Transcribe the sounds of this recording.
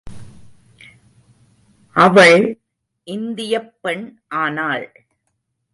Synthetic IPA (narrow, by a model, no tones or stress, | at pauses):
ʔɐʋɐɭ | ʔɪnd̪ɪjɐpːɛɳʔaːnaːɭ